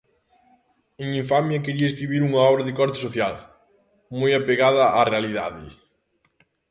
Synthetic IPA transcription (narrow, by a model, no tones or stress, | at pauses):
eŋiɱfamjɐkeɾiɐeskɾiβiɾuŋaɔβɾɐðɪkɔɾt̪ɪ̥soθjal | mojapeɣaðɐʔarealiða̰ðɪ̰